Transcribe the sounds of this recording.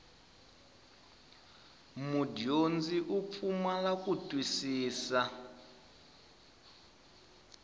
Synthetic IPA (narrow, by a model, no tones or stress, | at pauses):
mudiond͡ziʔup̪fʰumalakʼutʼwisiːsa